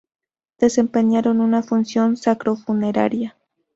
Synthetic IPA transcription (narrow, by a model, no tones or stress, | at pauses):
d̪̥e̞se̞mpe̞ɲaɾo̞nunafunsjo̞nsakɾo̞fune̞ɾa̰ɾja